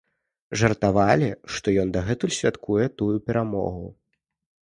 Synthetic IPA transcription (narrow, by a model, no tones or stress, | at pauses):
ʐɐrt̪avalʲiʂt̪ɔjɔnd̪ɐɣɛt̪usʲvʲat̪kujɛt̪ujupʲɛɾamɔ̰ɣu